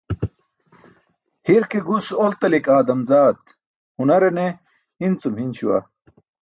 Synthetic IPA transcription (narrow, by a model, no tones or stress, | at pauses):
hiɾkeɡusolt̪ɐlikaːd̪ɐmzaːt̪ | hunɐɾene | int͡sumhinɕuwɐ̰